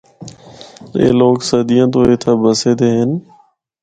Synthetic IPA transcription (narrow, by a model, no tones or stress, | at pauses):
ḛːloːksəd̪ɪjãːt̪̬oːeːt̪ʰaːbəseːd̪eːɦən